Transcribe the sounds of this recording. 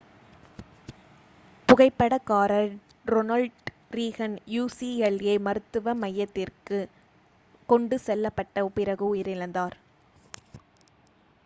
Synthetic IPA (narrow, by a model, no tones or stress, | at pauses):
pʊɣɐɪpːɐɽɐkːaːɾɐl | ɾɔnɐlʈ | ɾiːɣɐnjuːsiɛleːmɐɾɯt̪ːɯʋɐmɐjːɐt̪ːɪrkɯ | kɔɳɖɯsɛlːɐpːɐʈːɐʊpɪɾɐɣɯʊjɪɾɪɻɐnd̪aːɾ